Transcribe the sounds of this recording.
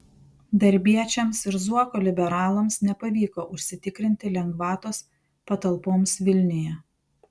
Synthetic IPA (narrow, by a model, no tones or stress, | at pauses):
d̪ɐɾʲbʲiɛt͡ʃʲɛmsɪɾzuɔkolʲɪbʲɛɾɑːlˠɐmsnʲɛpɐʋʲiːkoːʔʊʃʲsʲɪt̪ʲɪkɾʲɪnʲt̪ʲɪlʲɛŋɡʋɑːt̪oːs | pɐt̪ɐlˠpoːmsʋʲɪlʲnʲɪjɛ